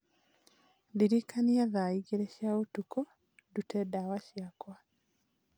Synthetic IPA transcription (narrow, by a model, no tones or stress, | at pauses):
ðiɾikaniaðaiɡeɾeɕjaotuko | dutedawaʃjakwa